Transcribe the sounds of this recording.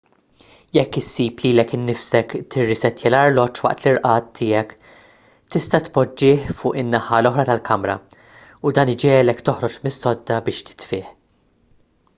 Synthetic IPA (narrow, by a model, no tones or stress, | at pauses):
jɛkːɪsːiːpliːlɛkɪnːɪfsɛkt̪ɪrːɪsɛt̪jɛlɐɾlɔt͡ʃːwɐ̰ʔt̪liɾʔɐːt̪ʰːɪːjɛk | t̪ɪst̪ɐt̪pɔd͡ʒːɪːħfʊːʔɪnːɐħɐlɔħɾɐt̪ɐlkʰɐmɾɐ̰ | ʊd̪ɐːnɪd͡ʒɛːlɛkt̪ɔħɾɔt͡ʃmɪsːɔd̪ːɐbɪːʃt̪ɪ̥t̪fɪːħ